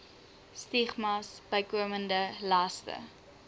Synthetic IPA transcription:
stiχmɑsb̥əjkuəməndəlɐstə̰

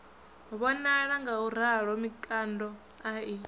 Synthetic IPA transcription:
βɔnaɺaŋɡauɾ̤aɺwɔmikʼandɔ | ai

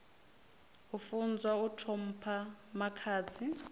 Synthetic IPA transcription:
ufund͡zwautʰom̩pʰamakʰaːt͡sʰi

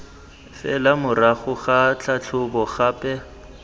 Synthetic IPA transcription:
fɛ̰lamʊraχʊɣat͡ɬʰat͡ɬʰʊbɔχaːpʼɛ

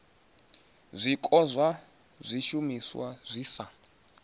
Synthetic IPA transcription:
zʷikʼɔzʷa | zʷiʃumiswa̰zʷisa

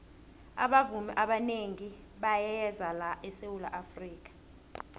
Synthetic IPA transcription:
a̰ɓavumḭʔaɓaneŋi | ɓajɛzalaʔɛsewula̰ʔafriːk̬ʼḁ

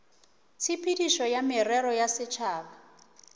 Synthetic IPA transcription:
t͡sʰipʰidiʃɔjamɪɾɛɾɔjasɪt͡ʃʰaːβa

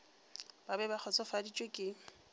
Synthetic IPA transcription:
b̥abɛbaχʰɔt͡sʼʊfadit͡ʃʼwekʼɪ

